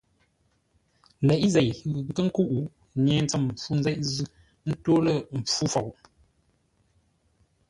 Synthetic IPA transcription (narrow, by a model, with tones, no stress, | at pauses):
lɛ˨ʔze˨jɣŋ̩˦kə˦ŋ̩˦ku˦ʔu˨ | ɲe˨n˦t͡sə˦m̩˨p͡fu˦nzɛ˦ʔzʉ˦ | n̩˦to˦lə˨m̩˨p͡fu˦fɔ˨ʔ